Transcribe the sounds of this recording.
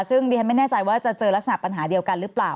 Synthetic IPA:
sɯ˥˩ŋdiː˧kʰnma˥˩jnɛː˥˩t͡ɕa˧jwaː˥˩t͡ɕa˨˩t͡ɕɤː˧lk̚sa˧na˨˩pa˧nɦaː˩˦di˧əwka˧nɾɯ˦˥plaː˨˩w

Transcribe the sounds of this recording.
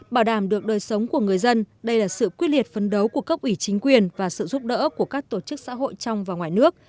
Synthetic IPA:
ɓaː˧˩wɗaː˧˩mɗɨ˨˩ək̚ɗəː˨˩jsə˨˦wŋ͡mku˧˩əŋ˨˩əjzə˧nɗə˧jlaː˨˩sɨ̰˧˨kwi˦˥t̚li˨˩ət̚fə˨˩nɗə˨˦wku˧˩əkə˦˥p̚ʔi˧˩t͡ɕï˨˦ŋ̟kwi˨˩ənvaː˨˩sɨ̰˧˨zu˦˥p̚ɗə̰ː˧˥ku˧˩əkaː˦˥k̚t̪o˧˩t͡ɕɨ˦˥k̚sa̰ː˧˥ɦo̰˧˨jt͡ɕɔ˧wŋ͡mvaː˨˩wŋwaː˨˩jnɨ˦˥ək̚

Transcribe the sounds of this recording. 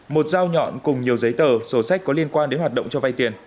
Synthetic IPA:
mo˨˩t̚zaː˧wɲɔ̰˧˨nkʊ˨˩ŋ͡mɲi˨˩əwzə˨˦jt̪əː˧˩so˧˩sa˦˥k̟̚kɔ˨˦li˧ənkwaː˧nɗe˨˦nhwaː˨˩t̚ɗə̰˧˨wŋ͡mt͡ɕɔ˧va˧jt̪i˨˩ən

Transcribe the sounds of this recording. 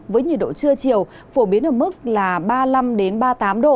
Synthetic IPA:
vəː˨˦jɲi˨˩ɗo̰˧˨t͡ɕɨ˧ət͡ɕi˨˩əw | fo˧˩ɓi˨˦ənʔəː˧˩mɨ˦˥k̚laː˨˩ɓaː˧la˧mɗe˨˦nɓaː˧t̪aː˨˦mɗo̰˧˨

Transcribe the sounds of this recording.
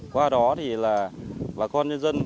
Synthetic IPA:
kwaː˧ɗɔ˨˦t̪ʰi˨˩laː˨˩vaː˨˩kɔ˧nɲə˧nzə˧n

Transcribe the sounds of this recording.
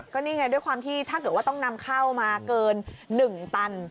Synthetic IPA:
kɔː˥˩niː˥˩ŋa˧jdu˥˩jkwaː˧mt̪ʰiː˥˩t̪ʰaː˥˩kɤː˨˩t̪̚waː˥˩t̪ɔ˥˩ŋna˧mkʰaː˥˩wmaː˧kɤː˧nːɯ˨˩ŋt̪a˧n

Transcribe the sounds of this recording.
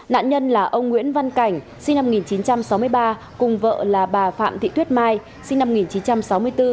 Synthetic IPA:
na̰ː˧˨nɲə˧nlaː˨˩ʔə˧wŋ͡mŋwḭ˧˥ənva˧nka˧˩jŋ̟ | si˧ŋ̟na˧m˧ŋi˨˩nt͡ɕi˨˦nt͡ɕa˧msa˨˦wmɨ˧əjɓaː˧ | kʊ˨˩ŋ͡mvə̰ː˧˨laː˨˩ɓaː˨˩fa̰ː˧˨mt̪ʰḭ˧˨t̪ʰi˦˥t̚maː˧j | sï˧ŋna˧m˧ŋi˨˩nt͡ɕi˨˦nt͡ɕa˧msa˨˦wmɨ˧əjt̪ɨ˧

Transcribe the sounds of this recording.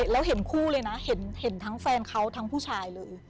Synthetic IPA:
lɛː˦˥wɦe˨˩˦nkʰuː˥˩lɤː˧jna˦˥he˩˦nhe˨˩˦nt̪ʰaː˦˥ŋfɛː˧nkʰa˦˥wt̪ʰa˦˥ŋpʰuː˥˩t͡ɕʰaː˧jlɤː˧j

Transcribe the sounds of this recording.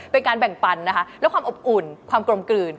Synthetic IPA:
pe˧nkaː˧nbɛ˨˩ŋpa˧nːa˦˥kʰa˦˥lɛː˦˥wkʰaː˧mʔo˨˩p̚ʔu˨˩nkʰwaː˧mkɾo˧mkɯː˨˩n

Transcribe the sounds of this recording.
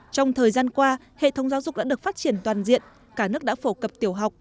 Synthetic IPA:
t͡ɕɔ˧wŋ͡mt̪ʰəː˨˩jzaː˧nkwaː˧ | hḛ˧˨t̪ʰə˨˦wŋ͡mzaː˨˦wzʊ˨˩k͡p̚ɗa̰ː˧˥ɗək̚faː˦˥t̚t͡ɕi˧˩ənt̪waː˨˩nzḭ˧˨ən | kaː˧˩nɨ˦˥ək̚ɗa̰ː˧˥fo˧˩kə˨˩p̚t̪i˧˩əwɦa˨˩wk͡p̚

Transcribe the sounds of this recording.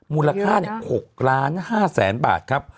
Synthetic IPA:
muː˧la˧kʰaː˥˩ni˦˥˩ho˨˩k̚ɾaː˦˥nhaː˥˩sɛː˩˦nba̰ː˨˩t̪̚kʰɾa˦˥p̚

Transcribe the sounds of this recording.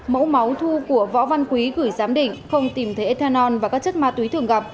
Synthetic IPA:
mə̰˧˥ma˨˦wt̪ʰu˧ku˧˩əvɔ̰˧˥va˧nkwi˨˦ɣɨː˧˩jzaː˨˦mɗḭ̈˧˨ŋ̟xə˧wŋ͡mt̪i˨˩mt̪ʰe˨˦t̪ʰaː˧nɔ˧nvaː˨˩kaː˦˥k̚t͡ɕə˦˥t̚maː˧˩t̪wi˨˦t̪ɨ˨˧˩əŋɣa˨˩p̚

